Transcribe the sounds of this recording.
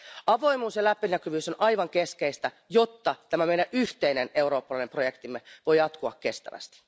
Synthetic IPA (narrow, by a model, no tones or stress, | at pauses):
ɑʋo̞imuːsjɑlæpːinækyʋyːso̞nʔɑjʋɑŋke̞skeist̪æ | jo̞t̪ːɑt̪æmæmeinæʔyht̪eine̞ne̞wɾo̞ːpːɑlɑinempro̞jekt̪imːeʋo̞jjɑt̪kuɑkke̞st̪æ̰ʋæ̰st̪i̥